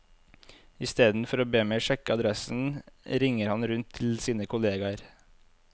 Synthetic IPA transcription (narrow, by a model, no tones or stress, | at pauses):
ɪst̪eːd̪n̩fɔɾoːbeːmeɪʃɛkəɑd̪ɾɛsn̩ɾɪŋəɾhɑnɾʉnt̪ʰɪl̩siːnəkʰʊleːɡɑɾ